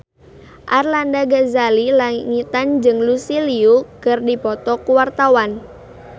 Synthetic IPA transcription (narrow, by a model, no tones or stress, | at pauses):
ʔarlandaɡazalilaŋit̪and͡ʒɨŋlusiliukɨrdipɔt̪ɔkuwart̪awan